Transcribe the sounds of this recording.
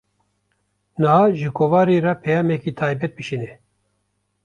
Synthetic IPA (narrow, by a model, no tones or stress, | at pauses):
nɨhaːʒɨkʰovɑːɾeɾapʰɛjɑːmɛkiːt̪ʰaːjbɛt̪̚bɨʃinɛ